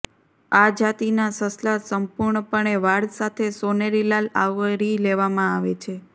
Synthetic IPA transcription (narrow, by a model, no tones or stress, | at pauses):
ad͡ʒat̪inasəslasəmpuɾɳəpəɳeʋaɽsat̪ʰesoneɾilala̰ʋɾileʋamãaʋet͡ʃʰe